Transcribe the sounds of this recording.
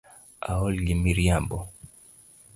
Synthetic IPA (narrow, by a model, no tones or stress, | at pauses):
a̰ɔlɡimiɾjambɔ